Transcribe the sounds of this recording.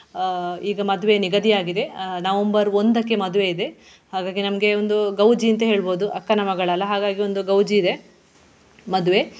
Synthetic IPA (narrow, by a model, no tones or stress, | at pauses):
iːɡɐmɐd̪uʋe̞niɡɐd̪ijaːɡid̪e̞nɐʋɐmbɐɾond̪ɐkːe̞mɐd̪uʋe̞id̪e̞ | haːɡaːɡinɐmɡe̞ond̪uɡɐwd͡ʒiɐnt̪ɐɦe̞ːɭboːd̪uʔɐkːɐnɐmɐɡɐɭɐlːɐɦaːɡaːɡio̞nd̪uɡɐwd͡ʒiːd̪e̞ | mɐd̪uʋe̞